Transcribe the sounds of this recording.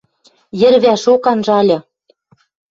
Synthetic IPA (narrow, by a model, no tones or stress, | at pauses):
jɘ̆ɾβæʃokɑnʒɑlʲɤ̆